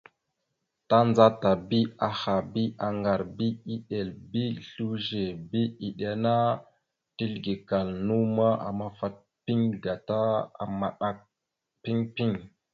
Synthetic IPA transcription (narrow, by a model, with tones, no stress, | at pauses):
ta˦nza˦ta˨bi˦a˨xa˨bi˦ʔa˨ŋɡa˨ɾbi˦i˦ɗe˨lbi˦ɬu˦ʒe˨bi˦i˨ɗe˨na˦ | ti˦lɡi˨ka˨lnu˦ma˦a̰˨ma˦fa˦t̚ | pi˦ŋɡa˨ta˦a̰˨ma˨ɗa˨k̚ | pi˦ŋpi˦ŋ